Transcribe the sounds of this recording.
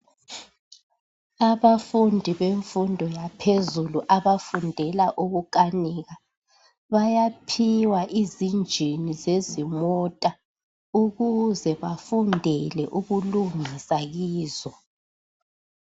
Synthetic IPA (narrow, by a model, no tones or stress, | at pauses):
aβafundʱiβeɱfundʱɔjapʰezuluʔaβafundʱɛlaʔuɣukʼaniːɣa | βajapʰiwaʔizind͡ʒʱinizezimɔtʼa | uɣuzɛβafundʱɛlɛʔuɣuluŋisaɣiːzɔ